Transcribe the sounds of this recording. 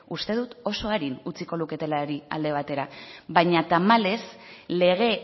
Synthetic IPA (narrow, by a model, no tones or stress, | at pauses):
ust̪e̞ð̞ut̪o̞so̞aɾinut͡siko̞luke̞t̪e̞laɾia̰ld̪e̞β̞at̪e̞ɾaβajɲat̪amale̞sle̞ɣ̞e̞